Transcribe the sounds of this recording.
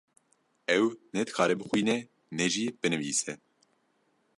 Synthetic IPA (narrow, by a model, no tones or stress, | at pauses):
ɛwnɛt̪xaːɾɛbxujnɛ | nɛʒiːpɨnɨvḭːsɛ